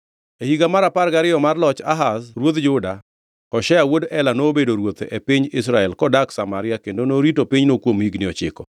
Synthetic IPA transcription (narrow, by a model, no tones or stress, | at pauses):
ehiɡamaɾapaɾɡaɾɪjɔmarlɔt͡ʃa̰ɦasɾwot̪d͡ʒʊda | kɔʃɛawodɛlanobedoɾwot̪ʔepiɲɪsɾaɛlkɔdaksamaɾɪjakendonoɾitopiɲnokwomhiɡnɪɔt͡ʃɪ̰kɔ